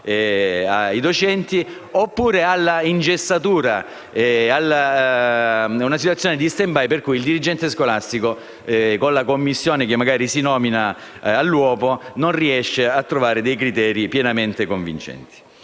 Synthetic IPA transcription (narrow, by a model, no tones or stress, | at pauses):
ɛaid̪ot͡ʃɛnt̪i | opːuːɾealːaind͡ʒesːat̪uːɾa | ɛalːa | unasit̪wt̪sjoːned̪ist̪embajperkujild̪iɾid͡ʒɛnt̪eskolast̪iko | ɛkonlakomːisːjoːnek̟emːaɡaːɾisinɔːmina | alːwɔːpononriɛʃːeat̪ːɾovaːɾed̪ejkɾit̪ɛːɾipjɛnament̪ekoɱvḭnt͡ʃɛ̰nt̪i̥